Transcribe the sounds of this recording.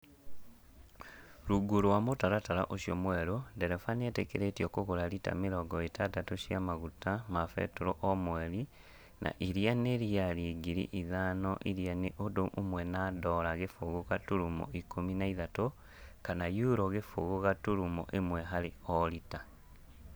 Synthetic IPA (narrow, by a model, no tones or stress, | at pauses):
ɾuɡuɾwamotaɾataɾa̰ʔoʃjomwɛɾodeɾɛfanietekeɾetiokoɣoɾaɾita̰miɾɔɡɔetadatoʃjamaɣutamafɛ̰toɾoʔɔmweɾi | nʔa̰ʔiɾjaneɾiaɾiɡiɾḭʔiðanɔʔiɾijaneʔodoʔomwɛnadɔɾaɣefoɣukatuɾumo̰ikominaiðato | kanajuɾoɣefo̰ɣoɣatuɾumo̰ʔemwɛɦaɾeɔɾita